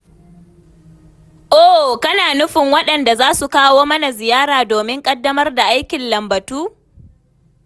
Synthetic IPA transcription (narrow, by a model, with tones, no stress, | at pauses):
ʔoː˦˨kɐ˦naː˨nʊ˦ɸɪ˨ŋwɐ˦ɗɐ˨nda˨zaː˦su˨kaː˦woː˦mɐ˦na˨zɪ˨jaː˦ɾaː˨doː˨mɪ˦ŋkʼɐ˦dːɐ˦mɐ˦rda˨ʔa˦jkʲɪ˨nlɐ˨mbɐ˨tuː˦